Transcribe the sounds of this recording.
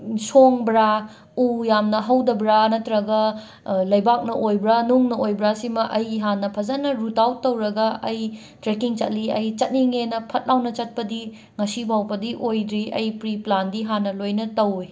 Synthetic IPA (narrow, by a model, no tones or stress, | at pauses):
soŋbɾa | ujamnɐɦɐwdɐbɾanɐtɾɐɡɐ | lɐjbak̚nɐʔojbɾanuŋnɐojbɾasimɐʔɐjɦanːɐpʰɐzɐnɐɾutawtːɐwɾɐɡɐɐj | tɾekiŋt͡ʃɐt̚liɐjt͡ʃɐt̚niŋenɐpʰɐt̚lawnɐt͡ʃɐt̚pɐdi | ŋɐsibawpɐdiʔojdɾiɐ̰jpɾiplandiɦanːɐlojnɐtɐwi